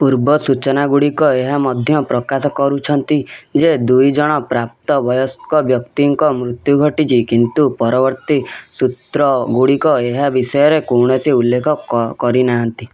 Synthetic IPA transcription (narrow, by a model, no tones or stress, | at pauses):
puɾbɔsut͡ʃɔnaɡuɽikɔeɦamɔd̪ʱjɔpɾɔkasɔkɔɾut͡ʃʰɔnt̪id͡ʒed̪ujd͡ʒɔɽ̃ɔpɾap̚t̪ɔbɔjɔskɔbjɔkt̪iŋkɔmɾut̪juɡʱɔʈit͡ʃʰikint̪upɔɾɔbɔɾt̪isut̪ɾɔɡuɽikɔeɦabisɔjɔɾekowɽ̃ɔsiulːekʰɔkɔɾinaɦant̪i